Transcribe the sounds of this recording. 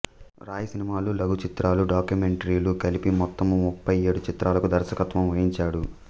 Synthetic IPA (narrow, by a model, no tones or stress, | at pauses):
ɾaːjɐsinimaːlulɐɡʱut͡ʃit̪ɾaːluɖaːkjumeɳʈɐɾiːlukɐlipimɔt̪ːɐmːupːɐjeːɽut͡ʃit̪ɾʔaːlɐkud̪ɐɾsɐkɐt̪ʋɐmʋɐjiɲt͡ʃaːɽu